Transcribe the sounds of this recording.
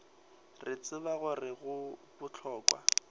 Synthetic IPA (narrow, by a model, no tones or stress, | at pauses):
rɪt͡sɪbaɣʊrɪɣʊbʊt͡ɬʰɔːkwa̰